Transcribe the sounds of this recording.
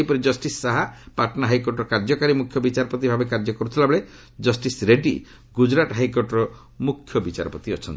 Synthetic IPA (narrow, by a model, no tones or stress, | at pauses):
ejpɔɾed͡ʒɔsʈisːaɦapaʈɔnaɦajkoɾʈɔɾɔkaɾd͡ʒɔkaɾimukʰjɔbit͡ʃaɾɔpɔt̪ibʱabekaɾd͡ʒɔkɔɾut̪ʰilabɔɭe | d͡ʒɔsʈisɾeɖi | ɡud͡ʒɾaʈɦajkoʈɔɾɔ | mukʰːjɔbit͡ʃa̰ɾɔpɔt̪iɔt͡ʃʰɔnt̪